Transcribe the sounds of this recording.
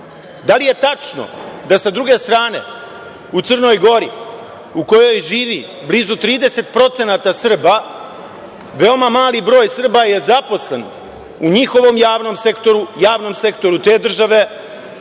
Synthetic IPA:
d̪alije̞t̪at͡ʂno̰d̪asad̪ɾuɡe̞st̪ɾaːne̞̰ | ut̪ɨrno̞jɡo̞ɾi | uko̞jo̞jʒiːʋi | blizut̪ɾiːd̪e̞se̞t̪̚pɾo̞t̪se̞naːt̪asr̩ba | ʋe̞o̞mamaːlibɾo̞ːjsr̩baje̞zapo̞sle̞̰n | uɲixo̞ʋo̞mjaːʋno̞mse̞kt̪o̞ɾujaːʋno̞mse̞kt̪o̞ɾut̪e̞ːd̪r̩ʒaʋe̞

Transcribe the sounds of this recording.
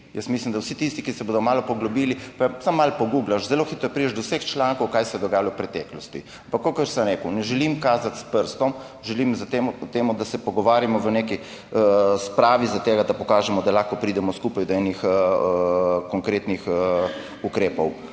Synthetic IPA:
jəsmislimd̪awsit̪ist̪ikisɛboːd̪ɔmaːlɔpɔɡlɔbiːlipasamːalpɔɡuɡlaʃzɛloxiːt̪ɾɔjpɾid͡ʒd̪ɔwsəxt͡ʃlaːŋkɔwkaːjsɛjɛd̪ɔɡaːjalɔpɾɛt̪ɛːklɔst̪i | ampakːokəɾsəmɾɛːkuwnɛʒɛlimkaːzat̪spəɾst̪ɔm | ʒɛlimzt̪emut̪eːmud̪asɛpɔɡɔʋaːɾjamɔʋəneki | əspɾaːʋizat̪eːɡad̪apɔkaːʒɛmɔd̪alaxkɔpɾid̪ɛmɔskuːpajd̪ɔɛnix | kɔŋkɾet̪nix | ukɾeːpɔw

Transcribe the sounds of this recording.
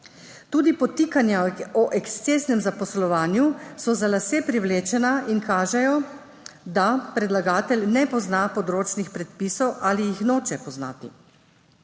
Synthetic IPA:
t̪uːd̪ipɔt̪ikanjaɔʔɛkst̪seːsnɛmzapɔslɔʋaːnjusɔzalaseːpɾiwleːt͡ʃɛnaiŋkaːʒɛjɔ | d̪apɾɛd̪laɡaːt̪ɛlnɛpɔznapɔd̪ɾoːt͡ʃnixpɾɛt̪̚pisɔwʔaːlijixnoːt͡ʃɛpɔzna̰ːt̪ḭ

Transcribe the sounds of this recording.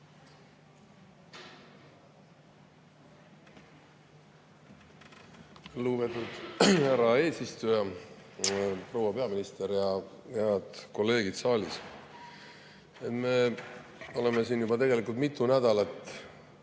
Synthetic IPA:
luːbet̪ud̪̥hæɾɑe̞ːsist̪ujɑ | pro̞wɑpe̞ɑminist̪eɾjɑ | heɑd̪̥ko̞lːe̞ːɡid̪̥sɑːlʲis | et̪me̞ | o̞le̞mesiːnjubɑt̪e̞ɡe̞likˑult̪mit̪ːˑunæd̪̥ɑlɑt̪ː

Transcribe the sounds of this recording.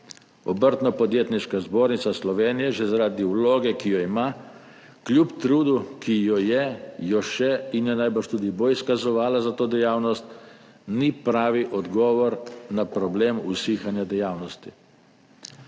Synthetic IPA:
ɔbəɾt̪nɔpɔd̪jeːt̪niʃkazboːɾnit̪saslɔʋeːnijɛʒɛzaɾaːd̪iuwloːɡɛkijɔima | klʲjupt̪ɾuːd̪ukʰijɔjɛjɔʃɛinjɛnajbəɾʃt̪uːd̪ibojiskazɔʋaːlazat̪oːd̪ɛjaːwnɔst̪ | nipɾaːʋiʔɔd̪ɡɔːʋɔɾnapɾɔbleːmusiːxanjad̪ɛjaːwnɔst̪i

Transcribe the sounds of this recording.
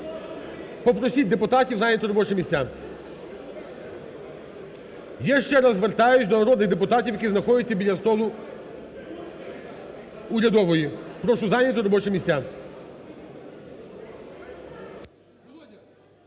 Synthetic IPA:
pɔpɾɔsʲit̚ʲd̪epʊt̪ɑtʲiwzɑnʲːɐt̪ɔɾɔbɔt͡ʃɛmʲisʲtʲa | jaʃt͡ʃɛɾɐzʋert̪ɑjʊsʲd̪ɔnɐɾɔd̪nɪɣd̪epʊt̪ɑtʲiwjɐkʲiznɐxɔdʲɪtʲːɐbʲid̪ʲlʲɐst̪ɔlˠʊ | ʊɾʲɐd̪ɔʋɔjipɾɔʃʊzɑnʲɐt̪ɔɾɔbɔt͡ʃɛmʲisʲtʲːa

